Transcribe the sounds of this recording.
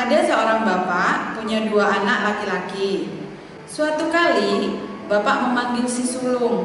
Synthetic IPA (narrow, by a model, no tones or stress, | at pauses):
adasəoɾaŋbapaʔpuɲaduaʔanaʔlakilaki | suat̪ukalibapaməmaŋɡɪlsisulʊŋ